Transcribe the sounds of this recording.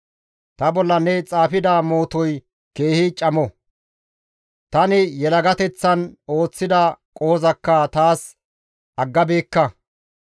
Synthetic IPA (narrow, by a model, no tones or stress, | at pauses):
t̪ɐbɔlːɐnɛt͡sʼaːfɪd̪amo̞ːt̪ɔj | ke̞ːhɪt͡ʃʼɐmɔ | t̪ɐnɪjɛlɐɡɐt̪ɛt͡sːɐno̞ːt͡sːɪd̪ɐkʼoːzɐkːɐt̪aːs | ɐɡːɐbeːkːɐ